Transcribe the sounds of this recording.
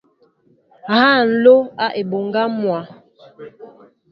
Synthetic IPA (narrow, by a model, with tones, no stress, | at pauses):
ha˦˨n̩˦lo˦a˦ʔe˨bo˨ŋɡa˦mwa˨˦